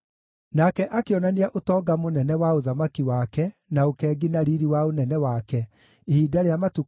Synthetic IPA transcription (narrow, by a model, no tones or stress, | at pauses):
nakɛʔakeɔnaneaʔotɔːɡamonɛnɛwaoðamakiwakɛnaokɛːɡinaɾiɾiwaonɛnɛwakɛ | ehiːdaɾeamatu